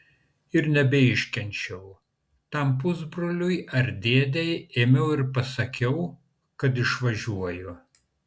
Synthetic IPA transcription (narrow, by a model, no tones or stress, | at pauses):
ɪɾnʲɛbʲɛɪʃʲkʲɛnʲt͡ʃʲɛʊ | t̪ɐmpʊzbɾoːlʲʊɪɐɾʲd̪ʲeːd̪ʲɛjeːmʲɛʊɪɾpɐsɐkʲɛʊ | kɐt̪̬ɪʃʋɐʒʲuɔjʊ